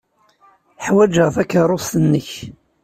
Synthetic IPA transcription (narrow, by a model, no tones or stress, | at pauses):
ħwæd͡ʒəʁθækːɑrˤosθənːəç